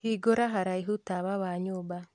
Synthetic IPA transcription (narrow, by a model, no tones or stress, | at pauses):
hiːɡoɾaɦaɾaiɦutaβaβaɲoːba